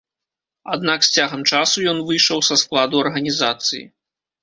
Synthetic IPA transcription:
a̰d̪naksʲt͡sʲaɣɐmt͡ʂasujɔnvɨjʂɐwsɐsklˠad̪uɐrɣɐnʲizat̪sɨ̰jḭ

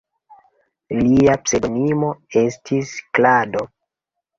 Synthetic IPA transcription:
liapseɡnimo̞e̞stʰisklado̞

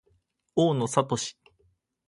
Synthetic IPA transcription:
oːno̞sat̪o̞ɕi̥

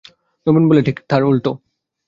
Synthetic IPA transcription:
nobunboleʈʰikt̪ʰaɹult̪o

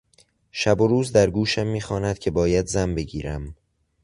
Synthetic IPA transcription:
ʃæboɾuːzd̪æɾɡuːʃæmːiːxɒːnæd̪̥cʰe̞bɒːjæd̪zæmbe̞ɡiːɾæm

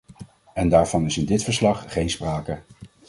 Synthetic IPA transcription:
ɛndaːɹv̥ɑnɪsɪndɪtfəɹslɑχχejnspraːkə

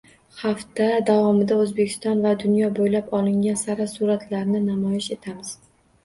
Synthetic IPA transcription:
haft̪ad̪avɒmɪd̪aɵzbekʲʰɪ̥st̪ɒnvad̪ʊnjɒbojlapɒlˠɪŋʲansaɾasuɾat̪ʰlaɾnɪnamɒjɪʃe̞t̪ʰamɪz̥

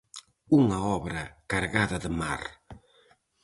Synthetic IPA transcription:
uŋɐɔβɾɐkaɾɣaðɐðɪma̰ɾ

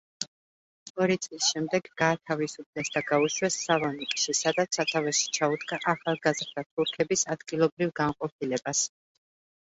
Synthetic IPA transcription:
ɔɾit̪sʼlisʃɛmd̪ɛɡːaːt̪ʰavisupʰlɛsd̪aɡauʃwɛsːalˠɔnikʼʃisad̪at̪sʰat̪ʰavɛʃi̥t͡ʃʰaud̪ɡaʔaχalˠɡazɾd̪̥at̪ʰuɾkʰɛbisad̪ɡilˠɔbɾivɡamqʼɔp̚ʰilɛbas

